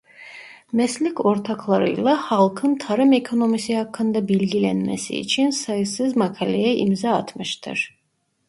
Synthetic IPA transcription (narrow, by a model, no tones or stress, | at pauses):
mɛslikʰɔɾt̪ʰakʰlˠaɾɯ̰jlˠahalˠkʰɯnt̪ʰaɾɯmɛkʰonɔmisihakʰːɯnd̪abɛlɡilɛnmɛ̰sḭːt͡ʃʰinsajsɨzmakʰalɛjɛʔḭmzaːt̪ʰmɯʃt̪ʰɨ̰ɾ